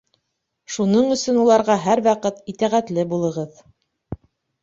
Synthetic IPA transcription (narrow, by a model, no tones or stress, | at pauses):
ʃunɤɴɵ̆sɵnulˠɑɾʁɑɦæɾwɑqɤt̪it̪æʁæt̪lɘbulˠɤ̆ʁɤð